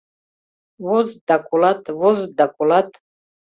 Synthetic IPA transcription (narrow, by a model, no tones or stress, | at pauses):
vɔzd̪akʼulat̪ʰʼvɔzd̪akʼulat̪ʰʼ